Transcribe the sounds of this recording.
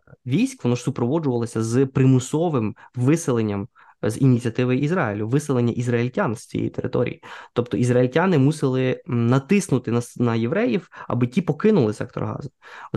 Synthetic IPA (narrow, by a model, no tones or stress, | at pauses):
ʋʲijsʲkʋɔnɔʒ̥sʊpɾɔʋɔd͡ʒʊʋɐlˠɔsʲɐzpɾɪmʊsɔʋɪmʋɪsɪlˠenʲːɐm | zinʲit͡sʲiɐt̪ɪʋɐjʊizrɑjilʲʊʋɪsɪlˠenʲːɐʔizrɐilʲtʲanst͡sʲḭjḛḭt̪eɾɪ̰t̪ɔ̰ɾʲḭjit̪ɔpt̪ɔʔizrɐilʲtʲanɪmusɪlˠɪnɐt̪ɪsnʊt̪ɪnɐnɐjeʋɾɛjiwɐ̰bɪtʲipɔkɪnʊlˠɪsɛ̰k̚t̪ɔ̰rɦɑ̰zʊ